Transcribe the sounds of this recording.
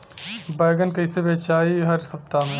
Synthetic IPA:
baːɡənkɐisebeːt͡ʃaːiɦəɾsɐp̚t̪amẽː

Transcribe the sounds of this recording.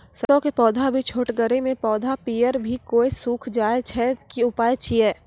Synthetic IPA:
səɔkepɔːd̪ʱabʱit͡ʃʰoːʈɡəɾemẽpɔːd̪ʱapiːjəɾbʱikoːisuːkʰd͡ʒaːet͡ʃʰɛkiʊpaːjt͡ʃʰiɛː

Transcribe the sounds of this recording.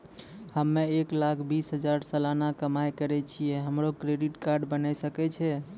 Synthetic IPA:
həmːeeklakʰbisɦəd͡ʒaɾsəlanakəmajkəɾɛt͡ʃʰijɛɦəmɾokɾeɖiʈkaɾɖbənajsəkɛt͡ʃʰɛ

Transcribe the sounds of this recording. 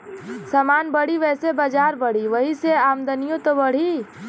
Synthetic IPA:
səmaːnbəɽ̤iʋɛːsebəd͡ʒaːɾbəɽ̤iʋəɦiseaːmd̪ənijõt̪obəɽ̤i

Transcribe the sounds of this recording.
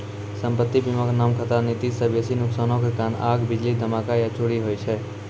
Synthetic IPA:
səmpət̪ːibiməknamkʰət̪anit̪isəbjesinuksanõkekanaɡbid͡ʒlid̪ʱəmakajat͡ʃʰoɽiɦojt͡ʃʰɛ

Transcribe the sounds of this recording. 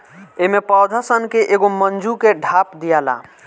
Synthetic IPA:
emepɔd̪ʱəsənkeʔeɡomənd͡ʒukeɖʱapd̪ijala̰

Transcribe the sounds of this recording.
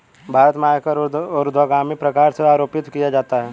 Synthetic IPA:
bʱaːɾət̪maːjkəɾɔːɾd̪ʱaːɡaːmipɾɐkaːɾseaːɾoːpɪt̪kijad͡ʒaːt̪aɦɛː

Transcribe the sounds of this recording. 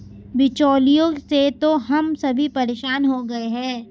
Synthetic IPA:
bɪt͡ʃɔːlijõset̪oɦɐmsɐbʱipɐɾeːʃaːnɦoɡɐeɦɛ̃ː

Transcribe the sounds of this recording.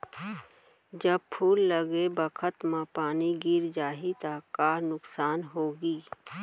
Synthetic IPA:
d͡ʒəb̚pʰuːlːəɡebəkʰət̪mãpaːniɡɪɾd͡ʒaːɦit̪akaːnʊksaːnɦoːɡiː

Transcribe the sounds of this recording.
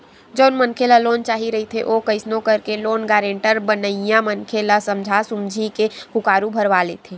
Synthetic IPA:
d͡ʒoːnmənkʰelaloːnt͡ʃaːɦiɾɐɦit̪ʰḛʔoːkəɪsnõkɐɾkeloːnɡaːɾẽɳʈəɾbənəjãmənkʰelasɐmd͡ʒʱasʊmd͡ʒʱikekʊkaːɾubʱəɾʋalḛt̪ʰeː

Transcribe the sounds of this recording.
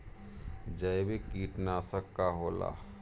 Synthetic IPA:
d͡ʒəjbekiːʈnasəkːaɦola̰

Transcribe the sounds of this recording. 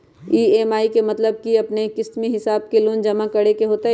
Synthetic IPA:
iːeːmaːikemɐt̪ləb̚kiɐpnekɪst̪miɦɪsaːb̚keloːnd͡ʒɐmakɐɽekeɦoːt̪a

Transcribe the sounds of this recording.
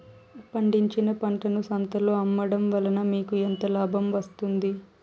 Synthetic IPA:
pɐɳɖiɲt͡ʃinɐpɐɳʈɐnusɐnt̪ɐloːɐmːɐɽɐmʋɐlɐnɐmiːkuent̪ɐlaːbʱɐmʋɐst̪und̪i

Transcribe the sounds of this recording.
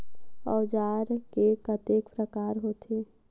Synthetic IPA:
ɔːd͡ʒaːɾkekət̪eːkpɾəkaːɾɦoːt̪ʰeː

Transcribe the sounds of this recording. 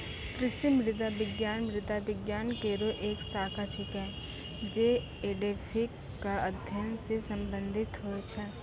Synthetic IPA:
kɾɪʃimɾɪd̪abɪɡjaːnmɾɪd̪aʋɪɡjaːnkeɾoʔeːksaːkʰat͡ʃʰɪkɛː | d͡ʒe | eːɖeːpʰɪkːaəd̪ʱjənsesɐmbə̃nd̪ʱɪt̪ɦoet͡ʃʰɛ

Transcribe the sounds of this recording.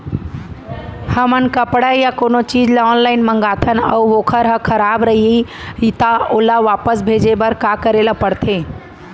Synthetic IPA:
həmənkəpɽajakonot͡ʃid͡ʒleɔnlaɪnməŋɡat̪ʰənə̰uokʰəɾɦə̃kʰəɾabɾəɦii | it̪aolaʋapəsbʱed͡ʒebəɾkakəɾelapəɽt̪ʰẽ

